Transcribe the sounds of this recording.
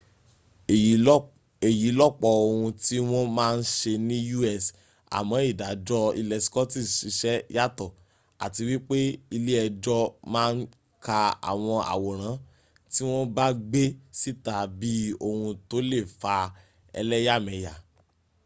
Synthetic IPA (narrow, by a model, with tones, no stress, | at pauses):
e˨ji˨˦lɔ˦˨k͡pɔ˧o˧hũ˧ti˦w̃ɔ̃˦mãː˦˧n̩˦ʃe˧nĩ˦ju˦ɛ˦˨s | a̰˨mɔ̃˨˦i˦˨da˨d͡ʒɔ˧ḭ˧lɛ˨skɔ˦ti˦˨ʃi˨˧˦ʃɛ˦ja˦˨tɔ˦˨ | a̰˨ti˧wi˦k͡pe˦i˧le˦ɛ˧d͡ʒɔ˧mãː˦˧n̩˦ | ka˧a̰˨w̃ɔ̃˧a̰˨wɔ˨ɾ̃ã˨˦ | ti˦w̃ɔ̃˦ba˦ɡ͡be˦si˦ta˨bi˦o˦˧hũ˧to˦le˦˨fa˧ | ɛ̰˧lɛ˦ja˦˨mɛ̃˨˧ja˨